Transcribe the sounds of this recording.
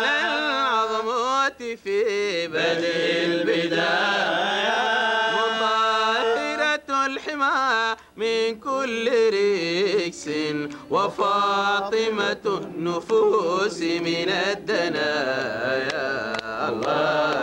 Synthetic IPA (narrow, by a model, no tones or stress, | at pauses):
alʕɑðˤɑmat̪ | fibad̪ilbɪd̪a | wamasɪɾalħɪmaːɾɾ | mɪnkʊlːɾɪksɪnwafɑt̪ˤɨmanːʊfuːsmɪnad̪ːana | ja | lː